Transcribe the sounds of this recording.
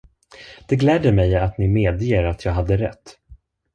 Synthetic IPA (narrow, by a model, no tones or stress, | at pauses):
d̪̥ɛɡlɛːd̪əmɛjat̪nɪmeːd̪jeːɾat̪ʰjɑːɡɦad̪ːəɾɛ̰t̪ː